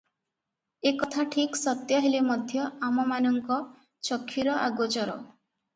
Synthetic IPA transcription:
ekɔt̪ʰaʈʰiksɔt̪jɔɦelemɔd̪ʱjɔamɔmanɔŋkɔ | t͡ʃɔkʰːiɾɔʔa̰ɡot͡ʃɔɾɔ̰

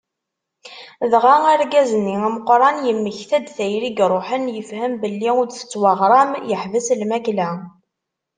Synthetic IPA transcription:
ðʁaaɾɡæzənːiæməqːɾˤɑnjəmːəçθæd̪θæjɾiɡɾˤoħənjəfhæmbəlːiʊd̪θə̥t͡sːwɑʁɾˤɑmjəħvəslmæklæ

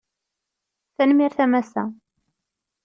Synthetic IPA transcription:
θænmiɾθæmæsæ̰

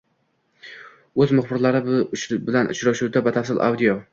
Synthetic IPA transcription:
ɵzmʊχbɪɾlaɾɪbɪlanʔʊ̰t͡ʃɾaʃuwd̪abat̪ʰafsɪlʔa̰wd̪ijɒ

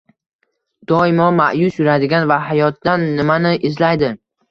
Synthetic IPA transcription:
d̪̥ɒɪmɒmaʔjʊsjʊɾad̪ɪɡʲanvaɦajɒt̪̚d̪anːɪmanɪʔɪzlajd̪ɪ

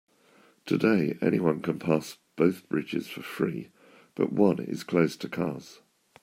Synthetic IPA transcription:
tʰədeɪɛ̰ñiwʌ̃nkʰə̃npʰɑˑsb̥əʊθb̥ɹɪd͡ʒɪ̰z̥fəfɹḭː | b̥ʌ̰ʔwʌ̃nɪ̰z̥kʰl̥əʊstʰəkʰɑːz̥

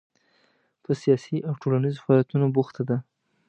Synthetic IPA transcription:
pəsijɑsiʔawʈolanizofaɑljat̪unobuxt̪ad̪a

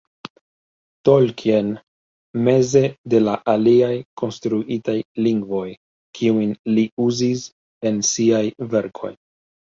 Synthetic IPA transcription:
to̞lkʰen | me̞ze̞de̞laʔaliajkʰo̞nstɾuʔitajliŋɡvo̞j | kʰiujnliuzis | e̞nsiajve̞ɾkʰo̞̰j

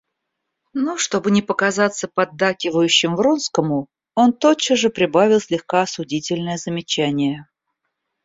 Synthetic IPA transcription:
noʂt̪o̞bɨnʲɪpəkɐzat̪sːəpɐd̪ːakʲɪvəjʉɕːɪmvronskəmʊ | o̞nt̪ot͡ɕəʐɨpɾʲɪbavʲɪlˠsʲlʲɪxkaɐsʊdʲitʲɪlʲnəjəzəmʲɪt͡ɕænʲɪjə

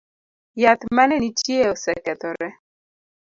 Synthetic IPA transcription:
jat̪manɛnit͡ʃieɔsɛkɛt̪ɔɾɛ

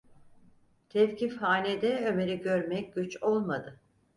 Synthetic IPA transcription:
t̪ʰɛfcʰifhaːnʲed̪ɛøme̞ɾiɟø̞ɾmɛc̚ɟ̥yt͡ʃo̞lˠmad̪ɯ

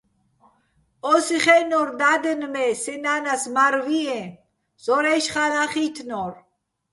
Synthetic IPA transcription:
ɔsiχɛnɔɾd̪ad̪ənmɛsɛnanasmaɾviɛ | z̥ɔɾɛʃχalaχit̪ʰnɔɾ

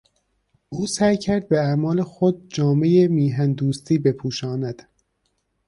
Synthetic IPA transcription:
ʔuːsæjcʰæɾd̪̚beæmɒːlexod̪̚d͡ʒɒːme̞jemiːɦænd̪uːst̪ʰiːbe̞pʰuːʃɒːnæd̪̥

